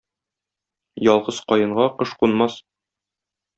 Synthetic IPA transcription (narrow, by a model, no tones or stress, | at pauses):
jɒlˠʁɤzqɒjɤ̆ɴʁɑqɤʃqunmɑs